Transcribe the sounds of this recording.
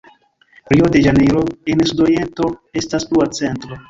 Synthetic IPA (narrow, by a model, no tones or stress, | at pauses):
pɾiode̞ʒaneɾo̞ensudoje̞nto̞e̞staspuat͡se̞ntɾo̞